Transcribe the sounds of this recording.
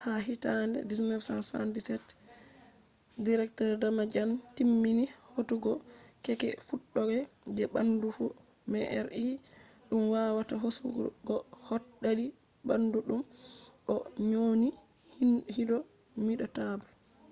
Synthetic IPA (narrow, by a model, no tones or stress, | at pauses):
haɦitandɛ̰dismɛfsansa̰ntisɛt | diɾɛk̚tɔɾdamad͡ʒantimːinihotuɡɔkɛkɛ̰fuɗːɔɡɛd͡ʒɛbandufu | mɛʔɛɾʔi | ɗumwawataɦosuɡɔhɔtɗːaɗi | banduɗumʔɔɲoːni | hihidɔ | miɗɔtabu